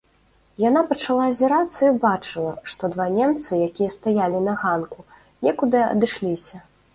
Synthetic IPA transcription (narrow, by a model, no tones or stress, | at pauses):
janapɐt͡ʂalˠazʲɛɾat̪sːɐjbat͡ʂɨlˠɐʂt̪ɔd̪vanʲɛmt̪sɨjakʲijɐst̪ajalʲinɐɣanku | nʲɛkud̪ɨɐ̰d̪ɨʂlʲisʲɐ